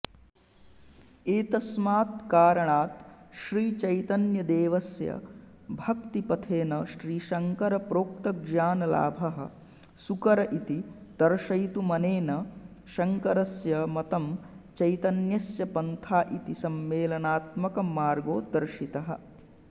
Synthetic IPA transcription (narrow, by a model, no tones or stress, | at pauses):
eːt̪ɐsmaːt̪kaːɾɐɳaːt̪ʃɾiːt͡ʃɐjt̪ɐnjɐd̪eːʋɐsjɐ̰ | bʱɐkt̪ipɐt̪ʰeːnɐʃɾiːʃɐŋkɐɾɐpɾoːk̚t̪ɐɡd͡ʒaːnɐla̰ːbʱɐɦɐ̰̆ | sukɐɾɐʔit̪it̪ɐɾʃɐjt̪umɐneːnɐ | ʃɐŋkɐɾɐsjɐmɐt̪ɐmt͡ʃɐjt̪ɐnjɐsjɐpɐnt̪ʰaːʔit̪isɐmːeːlɐnaːt̪mɐkɐmaːɾɡoːd̪ɐɾʃit̪ɐɦɐ̰̆